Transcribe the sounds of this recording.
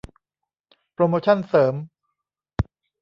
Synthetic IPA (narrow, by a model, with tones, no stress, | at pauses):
pɾoː˧moː˧t͡ɕʰa˥˩nsɤː˩˦m